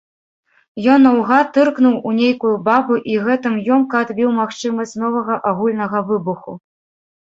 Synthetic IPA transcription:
jɔnːɐwɣat̪ɨrknuwunʲejkujubabuʔiɣɛt̪ɨmjɔmkɐd̪bʲiwmaxt͡ʂɨmɐsʲt͡sʲn̪ɔvɐɣɐʔaɣulʲnɐɣɐvɨbuxṵ

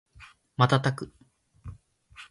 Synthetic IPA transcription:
mat̪at̪akɯ

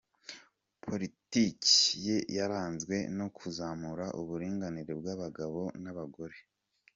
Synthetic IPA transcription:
pʰo̞ɾiticijejaɾaːnzɡwe̞̰no̞kʰuzamuɾaʔuβuɾiːŋɡaniɾeb̚ɡaβaɡaβo̞naβaɡo̞ɾe̞

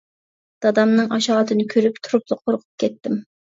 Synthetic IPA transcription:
d̪̥ɑd̪ɑmnɨŋʔɑʃɑːʁt̪ʰɨnɨkʲʰøɾyp̚t̪ʰuɾup̚lˠəqʰoɾqʰʊ̥p̚kʲʰɛt̪ːɪm

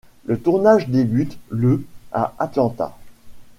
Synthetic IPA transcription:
lət̪uʁnaʒd̪ebyt̪ləa̰at̪lɑ̃t̪a̰

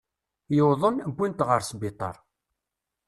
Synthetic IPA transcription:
jəwðˤənəbːint̪ʁəɾsbit̪ˤɑ̰ɾˤ

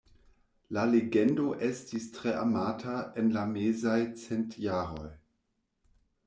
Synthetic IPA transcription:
laleɡendo̞ʔestistʁeʔamaːtʰaenlamezajt͡sentjaːʁo̰j

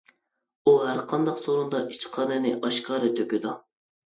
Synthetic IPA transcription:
uɦæɾqʰɑnd̪ɑqsoɾund̪ɑʔit͡ʃqʰɑːnɨnɪʔɑʃkʰɑːɾɨt̪ʰøkʲyd̪u

